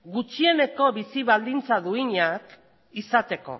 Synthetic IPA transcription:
ɡut͡ʃie̞ne̞ko̞βisiβald̪int͡saðuiɲak | isat̪e̞ko̞̰

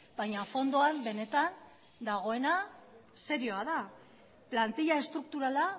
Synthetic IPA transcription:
bajɲafo̞nd̪o̞ambe̞ne̞t̪an | d̪aɣ̞o̞e̞nase̞ɾio̞aða | plant̪iʎae̞st̪ɾuk̚t̪uɾala

